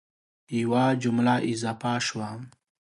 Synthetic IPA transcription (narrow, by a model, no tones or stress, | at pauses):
iwad͡ʒumlaʔizaːfaʃwam